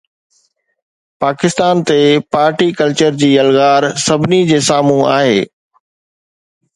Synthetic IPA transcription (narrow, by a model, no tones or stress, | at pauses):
paːkɪst̪aːnt̪epaːɾʈikɐlt͡ɕəɾd͡ʑiːɐlɣaːɾsɐbʱɪnid͡ʑeːsaːmũa̰ːɦeː